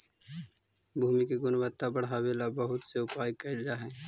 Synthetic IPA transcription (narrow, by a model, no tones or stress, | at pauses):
bʱuːmikeɡʊnwət̪ːabɐɽ̤aweːlabɐɦʊt̪seʊpaːjkɐɪld͡ʒaɦɛ̃ː